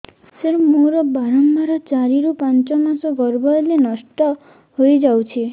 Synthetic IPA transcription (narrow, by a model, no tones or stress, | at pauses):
seɾmoɾɔbaɾɔmbaɾɔt͡ʃaɾiɾupant͡ʃɔmasɔɡɔɾbɔlenɔsʈɔ | hojd͡ʒawt͡ʃʰi